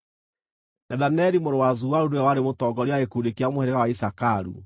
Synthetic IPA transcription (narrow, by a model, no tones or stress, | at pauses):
nɛðanɛɾimoɾowazuaɾuneawaɾemotɔɡɔɾiaɣekuɾekeamohɛɾɛɣawaisakaɾṵ